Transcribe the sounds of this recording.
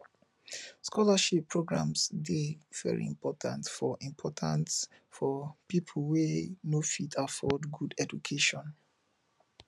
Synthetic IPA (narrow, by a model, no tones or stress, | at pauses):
skʰɔlaʃipʰːɹoɡɹã̰msdev̥ɛ̰ɹḭḭ̃mpʰɔtʰãntfɔʔĩmpʰɔtʰãns | fɔpipʰl̩wenofitʰafɔdɡudɛd͡ʒukʰeʃɔ̃n